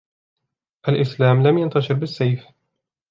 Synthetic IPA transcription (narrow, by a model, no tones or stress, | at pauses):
ʔalʔɪslaːmlamjant̪ɑʃɨɾbɪsːajf